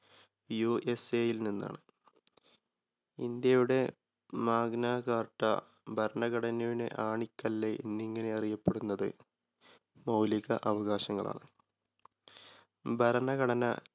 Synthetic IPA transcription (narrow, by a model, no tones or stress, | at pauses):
jueseːjilninːa̰ːɳɨ | ind̪jɐjuɽe̞ | maːɡnaːɣaːrʈːɐ̰ | bʱɐɾɐnɐɣɐɽɐnɐʋinḛʔaːɳikʲːɐlːeʔḭnːiŋːɐne̞ɐrijɐpːeɽunːɐðɨ̰ | mɐwliɣɐ̰ʔɐʋɐɣaːɕɐŋːɐɭa̰ːɳɨ | bʱɐɾɐnɐɣɐɽɐnɐ̰